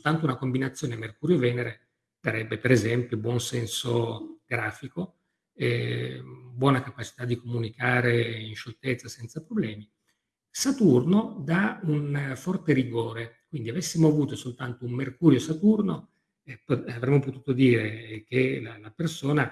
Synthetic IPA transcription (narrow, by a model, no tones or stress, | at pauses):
solt̪ant̪ounakombinat̪sːjoːnemerkuːɾjovɛːneɾe | d̪̥aɾɛbːepeɾezɛmpjobwɔnsɛnsoɡ̥ɾaːfiko | ɛ | bwɔːnakapat͡ʃi̥t̪ad̪ːikomunikaːɾeinʃolt̪et̪sːasɛnt̪sapɾoblɛːmi | sat̪urnod̪aunfɔrt̪eɾiɡoːɾekwind̪iavesːimoavuːt̪osolt̪ant̪oumːerkuːɾjosat̪urno | pavɾɛmːopot̪uːt̪od̪iːɾekelalapersoːna